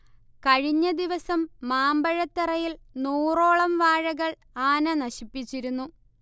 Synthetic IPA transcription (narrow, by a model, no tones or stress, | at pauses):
kɐɻiɲːɐd̪iʋɐsɐmːaːmbɐɻɐt̪ːirɐjilnuːro̞ːɭɐmʋaːɻɐɣɐɭ | aːnɐnɐɕipːit͡ɕːiɾunːu